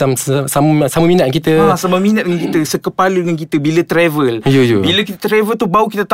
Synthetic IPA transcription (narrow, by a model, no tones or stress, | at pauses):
amssaməsaməminat̪̚kit̪əasabap̚mĩnat̪̚dəŋankit̪əsəkəpaludəŋankit̪əbilət̪ɾɛvəljojobiləkit̪ət̪ɾɛvəlt̪uhbaukit̪ət̪a